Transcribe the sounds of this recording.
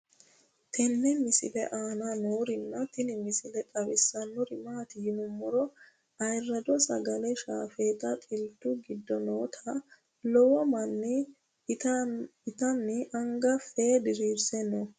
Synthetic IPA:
t̪ʰɛnːɛmɪsɪ̰lɛʔaːnanoːɾɪnːɐt̪ɪnɪmɪsɪlɛt̪ʼɐβɪsːɐnːɔɾɪmaːt̪ɪjɪnʊmːɔɾɔ | ɐjrːɐd̪ɔsɐ̰ɡɐlɛʃaːfɛːt̪ɐt̪ʼɪlt̪ːʊɡɪd̪ːɔnoːt̪ʰɐ | lɔwɔmɐnːɪ | ɪt̪ɐnːɪʔɐŋɡɐfeːd̪ɪɾiːɾsɛnːɔ

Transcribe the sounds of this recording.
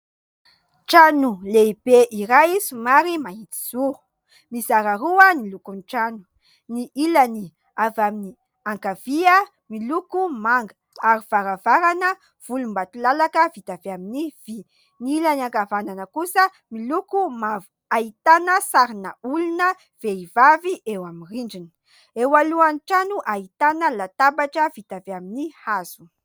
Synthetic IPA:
ʈ͡ʂanuleib̥eʔiɾajisimaɾimaɦit̪i̥z̥u | misaɾaɾuənilukunʈ͡ʂanu̥ | niʔilani | avamini | aŋkaviə | milukumaŋɡə | aɾiv̥aɾavaɾanə | v̥ulumbat̪ulalakəvit̪aveaminiv̥i | niilanaŋkavananəkusə | milukumavu̥ | ait̪anəsaɾinəulunə | v̥eivaviʔewamiriɳɖ͡ʐini̥ | ewaluanʈ͡ʂanuʔait̪anəlat̪abaʈ͡ʂəvit̪aveaminihaz̥u̥

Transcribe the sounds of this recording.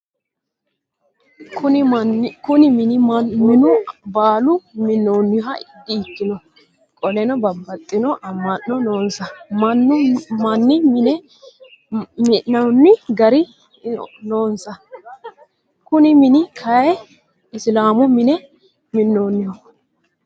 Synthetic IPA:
kʊ | kʊnɪmɪnmɪnʊbaːlʊmɪnːoːnːɪɔɦɐɪd̪ɪːt̪ːɪnɔ | kʼɔlɛnɔbɐbːɐt̪ʼːɪnɔʔɐmːɐnːɔnoːnsɐmɐnːʊmɐnːɪmɪnɛ | mɪːɐnːɪɡɐɾɪ | noːnsɐ | kʊnɪmɪnɪkʰɐjɛ | ɪslaːmʊmɪnɛ | mɪnːoːnːɪjɔ

